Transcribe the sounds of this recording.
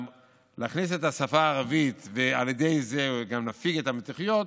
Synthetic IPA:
laːχnis̬etasafaːʁavit̪vealjed̪e̞jzeɡamnafiɡetametiχijo̞t

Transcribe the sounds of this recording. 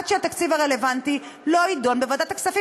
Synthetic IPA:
t̪ʃeat̪akt͡sivaʁe̞le̞vant̪i | loid̪o̞nbevad̪at̪aksafi

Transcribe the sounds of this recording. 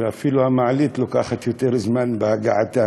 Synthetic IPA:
afiluamaʕalit̪lukaxat̪jut̪eɾɪzmanbaɡaʕat̪a

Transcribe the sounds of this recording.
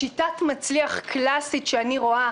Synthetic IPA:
itatmat͡sliaχkʰlasitʃeaniʁo̞a

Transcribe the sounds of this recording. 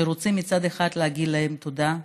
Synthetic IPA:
eʁot͡simːit͡sad̪eχad̪lehaɡid̪laemt̪o̞d̪a

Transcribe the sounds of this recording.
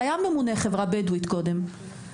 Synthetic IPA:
jamemuneχevʁabed̪wit̪ko̞d̪e̞m

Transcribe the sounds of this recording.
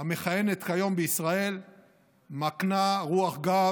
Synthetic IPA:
ame̞χaje̞net̪kajo̞mbeisʁae̞l | maknaʁuaχɡa

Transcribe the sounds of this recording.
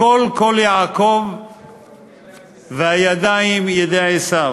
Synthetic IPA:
olkoljaːkov | veajad̪ajimjed̪eʕisav

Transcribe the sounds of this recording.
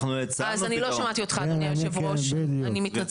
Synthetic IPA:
nuet͡sazaniloʃamat̪io̞t̪χanijnʃevʁoʃed̪juanimitna

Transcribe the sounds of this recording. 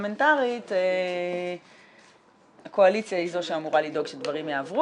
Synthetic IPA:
mentaʁite | ako̞alit͡sjaizo̞ʃeamuʁalido̞ɡʃedvaʁimjaːvʁu

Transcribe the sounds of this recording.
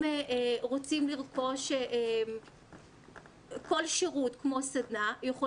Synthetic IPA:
eʔeʁot͡simliʁko̞ʃeʔem | ko̞lʃeʁutkmo̞sadnajeχo

